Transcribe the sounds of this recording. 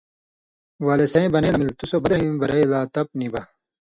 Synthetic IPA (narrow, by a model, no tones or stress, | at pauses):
waːlesɐ̃ĩbɐnelɐmilt̪usobɐd̪ɾɐimbɐɾɐjlaːt̪ɐp̚nibɐ